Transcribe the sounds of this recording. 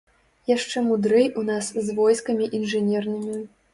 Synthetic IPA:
jaʂt͡ʂɛmud̪ɾɨjʔunaszvɔjskɐmʲiʔinʐɨnʲɛrnɨmʲi

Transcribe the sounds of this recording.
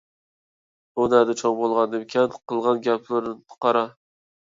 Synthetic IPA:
onad̪ɪt͡ʃʰɒŋbolˠʁɑnd̪ɪmkʲʰanqʰɨlˠʁɑnɡʲapʰlɪɾt̪qʰɑɾa

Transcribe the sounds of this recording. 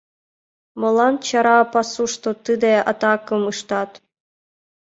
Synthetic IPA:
mɤ̆lˠɑnt͡ɕɑɾɑpɑsuʂt̪ot̪ɨd̪eɑ̰t̪ɑkɤmɯʃt̪ɑt̪

